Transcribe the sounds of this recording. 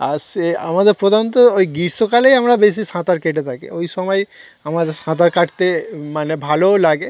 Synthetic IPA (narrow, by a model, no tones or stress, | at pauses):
aɾsea̰mad̪eɾpɾod̪ʱant̪ɔojɡiɾsokalejamɾabes̬isãt̪aɾkeʈet̪ʰakḛojsɔmɔj | amad̪eɾsãt̪̬aɾkaʈt̪emanebʱalolaɡe